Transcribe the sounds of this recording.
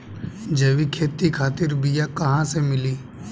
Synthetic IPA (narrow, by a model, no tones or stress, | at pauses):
d͡ʒeːʋikʰeːt̪ikʰaːt̪ɪɾbijakɐɦãsemɪliː